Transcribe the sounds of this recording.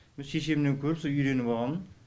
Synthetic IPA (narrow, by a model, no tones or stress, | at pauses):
mɪnʃe̞ʃemneŋkʲʰɵɾɪpsoʏjɾe̞nɪpoʁɑnən